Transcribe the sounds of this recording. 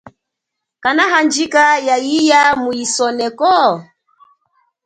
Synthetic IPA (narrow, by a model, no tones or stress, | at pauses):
kanaɦand͡ʒikajaijamuisɔnɛkɔ